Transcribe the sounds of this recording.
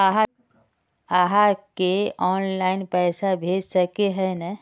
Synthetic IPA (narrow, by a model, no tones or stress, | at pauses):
aɦa | aːɦakeɔːnlaːɪnpɛːsabʱeːd͡ʒsɐkeɦɛna